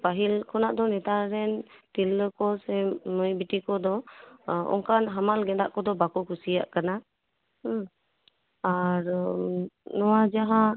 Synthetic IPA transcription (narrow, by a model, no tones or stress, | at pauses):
paɦilkʰɔnaʔd̪ɔnɛt̪aɾɛnt̪ilːəkɔsɛməjbiʈikɔd̪ɔ | ɔ̰ŋkanɦamalɡɛd̪a̰ʔkɔd̪ɔbakɔkusija̰ʔkana | aɾ | nɔwad͡ʒaɦã